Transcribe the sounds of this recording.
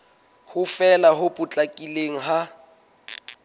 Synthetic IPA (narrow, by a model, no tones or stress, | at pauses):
hʊfɛlaɦʊpʼʊt͡ɬʼakʼileŋ̩ɦa